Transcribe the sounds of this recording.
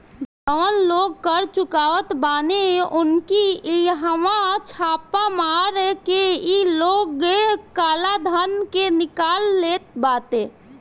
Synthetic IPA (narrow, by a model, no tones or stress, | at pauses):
d͡ʒɔːnloːɡ̚kəɾt͡ʃʊkaːʋət̪baːneʊnkiiɦəmat͡ʃʰaːpamaːɾkeiloːɡekaːlad̪ʱənkenɪkaːlːeːt̪̚baːt̪eː